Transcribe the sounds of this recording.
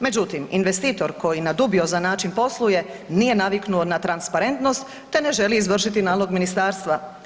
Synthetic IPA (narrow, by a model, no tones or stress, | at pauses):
me̞d͡ʑut̪iminʋe̞st̪iːt̪o̞ɾko̞jinad̪ubio̞zanaːt͡ʃinpo̞slˠuje̞ | nije̞naʋiknuonat̪ɾanspaɾe̞nt̪no̞st̪ːe̞ne̞ʒe̞liizʋr̩ʃit̪inaːlo̞ɡminist̪aːɾst̪ʋa